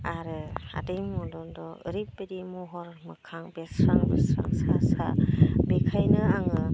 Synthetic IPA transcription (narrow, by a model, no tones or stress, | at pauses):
aɾɯa̰dɯjŋmɔdɔndɔɯ̰ɾip̚bedimuɦɔɾmɯkʰaŋbesɾaŋbesɾa̰ŋsasa̰bekʰajnɯaŋɯ